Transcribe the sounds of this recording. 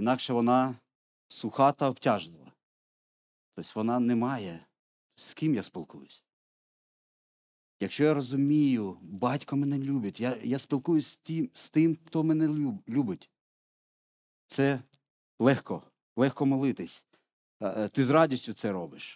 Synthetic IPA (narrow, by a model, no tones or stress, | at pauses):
inɑkʃɛʋɔnɑ | sʊxɑt̪ɐɔptʲɑʒlˠɪlˠɐ̰ | t̪ɔsʲʋɔnɑnɛmɑjɛ | sskʲimjaspʲilˠkujʊsʲ | jɐkʃt͡ʃɔjaɾɔzʊmʲijʊbɑtʲkɔmɛnɛlʲubʲɐtʲjajaspʲilˠkujʊsʲtʲimst̪ɪmxt̪ɔmɛnɛulʲubɪtʲ | t̪sɛ | lˠɛxkɔ | lˠɛxkɔmɔlˠɪt̪ɪsʲ | t̪ɪzrɑdʲisʲtʲʊt̪sɛɾɔbɪʃ